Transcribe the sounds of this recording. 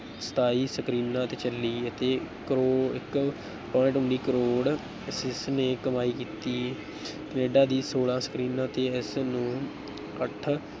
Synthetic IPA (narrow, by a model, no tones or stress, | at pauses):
sə̥t̪ʰaːiːsəkɾiːnãːt̪eːt͡ʃəlːiːət̪eː | kɾoːɪk | pɔ̃ːɪ̃ʈʊɳɖiːkəɾoːɽ | sɪsneːkəmaːiːkiːt̪iː | kəneːɖaːd̪iːsoːlãːsə̥kɾiːnãːt̪eːɪsnũː | kəʈʰ